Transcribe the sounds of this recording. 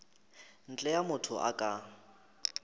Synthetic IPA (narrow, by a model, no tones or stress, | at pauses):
n̩t͡ɬʼɛjamʊtʰʊʔa̰kʼa